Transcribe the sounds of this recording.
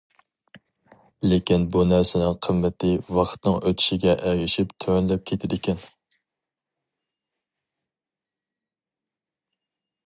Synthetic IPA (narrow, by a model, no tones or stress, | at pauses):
lekʲinbunæɾsɪnɪŋqʰəmːɪt̪ʰɪwɑqʰt̪nɨŋʔøt̪ʰɪ̥ʃɪɡʲɛʔɛɡɪʃipt̪ʰøwnlɛp̚kʲʰet̪ʰɪd̪ɪkʲɛn